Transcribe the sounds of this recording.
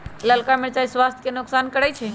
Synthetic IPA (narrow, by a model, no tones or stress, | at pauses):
ləlkameɾt͡ʃaiswast̪ʰkenʊksaːnkəɾɛt͡ʃʰɛ